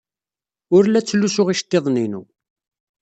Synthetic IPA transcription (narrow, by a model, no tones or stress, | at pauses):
ʊɾlæt͡sːlːusʊʁiʃt̪ːeðˤninṵ